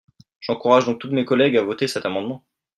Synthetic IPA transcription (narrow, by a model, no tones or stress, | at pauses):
ʒ̥ɑ̃kuʁaʒd̪ɔ̃k̚t̪ut̪mekɔlɛɡavɔt̪esɛt̪amɑ̃d̪mɑ̃